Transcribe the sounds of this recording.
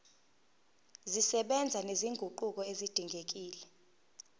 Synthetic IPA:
zisɛɓɛnd͡zʱaneziŋɡʱuǃuk̬ʼɔezid̥ʱiŋɡʱek̬iːlɛ

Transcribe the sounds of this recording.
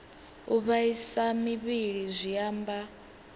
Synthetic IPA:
uβaisamiβiɺizʷiaːmba

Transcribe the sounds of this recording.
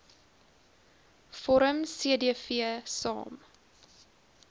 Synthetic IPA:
fɔɾəmsiədiəfiəsɑ̰ːm

